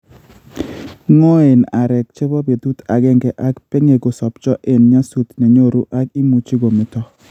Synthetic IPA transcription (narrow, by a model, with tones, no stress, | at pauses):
ŋɔ˦e˨na˨ɾɛ˨k̚t͡ʃɪ˦bɔ˦be˨t̪u˦t̪a˨ɡɛ˦ŋɡɛ˨ʔa˦kpe˦ŋe˨ɡo˨sɔ˨pt͡ʃɔ˦ʔe˨nɲa˦su˦t̪nɛ˨ɲo˦ɾu˦ʔa˦ki˦mu˨t͡ʃi˦ɡo˨mɪ˨tɔ˦